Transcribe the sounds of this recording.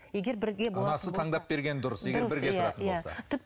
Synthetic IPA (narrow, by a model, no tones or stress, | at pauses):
jeɡʲeɾbɪɾɡʲeboɑnɑsət̪ʰɑɴd̪ɑp̚be̞ɾɡʲe̞nɪd̪ʊɾəsje̞ɡʲeɾbɪɾɡʲet̪ʰɾɑ̰ənjboasɑ̰t̪ʰʏp̚